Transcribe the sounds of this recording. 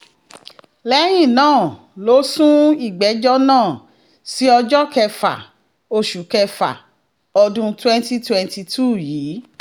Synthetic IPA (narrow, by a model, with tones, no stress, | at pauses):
lɛ˨˦j̃ĩ˦˨nãː˦˨ | lo˨˦sũ˦i˦˨ɡ͡bɛ˨˦d͡ʒɔ˦nãː˦˨ | si˨˦ɔ˧d͡ʒɔ˦kɛ˧fa̰˨ | o˧ʃu˨kɛ˧fa̰˨ | ɔ˧dũ˧twɛ̃˦nti˦twɛ̃˧nti˧tʰu˦˨jiː˨˦